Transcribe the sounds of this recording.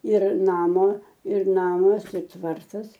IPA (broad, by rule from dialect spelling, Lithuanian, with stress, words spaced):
ɪr ˈnɑːmoː ɪr ˈnɑːmɐs ɪ ˈtʋɐrtɐs